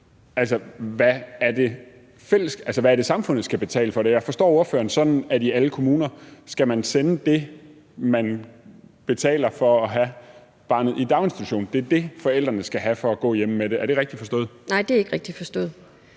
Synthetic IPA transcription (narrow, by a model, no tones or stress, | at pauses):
ælsɒʋæːɐd̥e̝ | fel̰əsɡ̥ælsɒʋææɐɾ̥e̝sɑ̈mfɔ̽n̰ð̩ˠsɡ̥æb̥e̝t͡sʰɛ̰ːləfɒ̽ɾ̥e̝jɑ̈ɪfɒ̽sd̥ɒ̰ːoɐfø̰ːɐn̩sɒ̽d̥n̩æd̥iæləkʰo̝muːnɐsɡ̥æmænsenəd̥e̝ | mæn | b̥e̝t͡sʰɛ̰ːlɐfɒ̽ɒɦæ | b̥ɑ̈ːnð̞̩ˠid̥ɑ̈ʊe̝nsd̥i̥t͡sʰuɕo̝̰ːnd̥e̝æɐd̥e̝fɒ̽el̰d̥ʁɐnəsɡ̥æɦæfɒ̽ːɡ̥ɔ̰̽ːjeməmeɾeæɐɾ̥e̝ʁɛɡ̥̚d̥ifɒsd̥ɔ̽ːð̩ˠnɑ̈ɪ̰d̥ee̝ɡ̥ʁɛɡ̥̚d̥ifɒ̽sd̥ɔ̰̽ːð̩ˠ